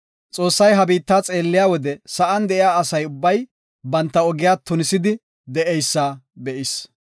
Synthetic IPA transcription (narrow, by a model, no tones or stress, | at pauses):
t͡sʼo̞ːsːɐjɦɐbiːt̪ːaːt͡sʼe̞ːlːɪjaːwɔd̪ɛsɐʔɐnd̪ɛʔɪjaːɐsɐjʊbːɐj | bɐnt̪ːɐɔɡɪjaːt̪ːʊnɪsɪd̪ɪ | d̪ɛʔɛjsːaːbɛʔɪs